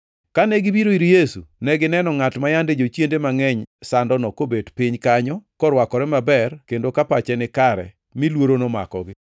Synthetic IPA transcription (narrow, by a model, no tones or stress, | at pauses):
kanɛɡibiɾoiɾijesṵnɛɡɪnɛnɔŋatmajanded͡ʒot͡ʃjendemaŋɛɲsandɔnɔkobedpɪɲkaɲɔkɔɾwakɔɾɛmabɛrkendokapat͡ʃɛnɪkaɾɛ̰ | milwoɾonoma̰kɔ̰ɡɪ